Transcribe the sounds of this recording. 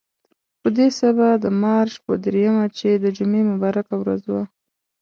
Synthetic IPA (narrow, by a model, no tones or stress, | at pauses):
pəd̪esabad̪əmɑɾʃpə̰d̪ɾejamat͡ʃed̪əd͡ʒʊmemʊbɑɾakawɾa̰zwa